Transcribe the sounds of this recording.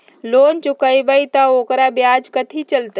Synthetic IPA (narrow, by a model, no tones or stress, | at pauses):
loːnt͡ʃʊkəjbəjt̪əokɾabjad͡ʒkət̪ʰit͡ʃəlt̪